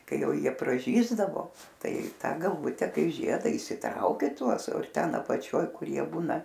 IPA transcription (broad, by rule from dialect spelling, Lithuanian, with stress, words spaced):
ˈkɐɪ ˈjɛʊ ˈjiɛ prɐˈʒʲiːzdɐʋoː ˈtɐɪ ˈtɐ ɡɐlˠˈʋʊtʲɛ ˈkɐɪ ˈʒʲiɛdɐ iːsʲɪˈtrɐʊkʲɛ ˈtuɔs ˈtʲɛn ɐpɐˈt͡ʃʲoːj ˈkʊr ˈjiɛ ˈbuːnɐ